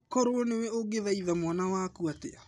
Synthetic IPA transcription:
koɾoonewɛoɡeðaiðamwanawakuatea

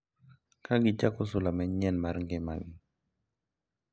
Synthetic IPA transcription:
kaɡit͡ʃakɔs̬ulamɛɲɛnmaɾŋɡɛmaɡi

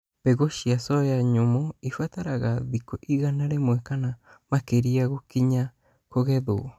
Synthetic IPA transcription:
peɡoʃiasojaɲomoifat̪aɾaɣaðikoʔiɣanaɾemwekana | makeɾiaɣokiɲa | koɣeðoo

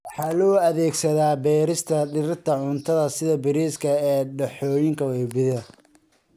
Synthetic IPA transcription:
wɑħɑːlɔːɐðɛːɡsɐðaːbɛːɾɪst̪ʰɐɖɪɾɪt̪ʰɐʕʊnt̪ʰɐðɐsɪðɐbɪɾiːskʰɐɛːɖɛħɔːjɪŋkʰɐwɛjbɪðɐ

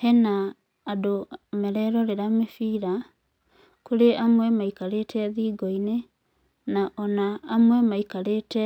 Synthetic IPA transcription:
hɛnaː | domɛɾɛɾɔɾeɾamefiːɾa | kuɾeʔamwɛmaikaɾetʰɛðiːɡɔine | naʔɔnaːmwɛmaikaɾetɛ

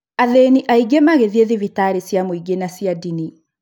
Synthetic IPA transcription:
aðeniʔaiɡemaɣeðieðivitaɾesjamoiɡenasiadini

